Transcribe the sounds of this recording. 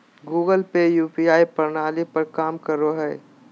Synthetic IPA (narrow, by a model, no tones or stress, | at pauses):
ɡuːɡəlpejuːpiaːipəɾnaːlipəɾkaːmkəɾoɦɛː